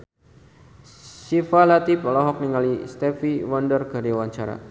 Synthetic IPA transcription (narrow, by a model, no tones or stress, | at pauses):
sifalat̪ipɔlɔɦɔk̚niŋalist̪ɛfiwɔndərɡ̥a̤ɾiwaɲt͡ʃaɾa̰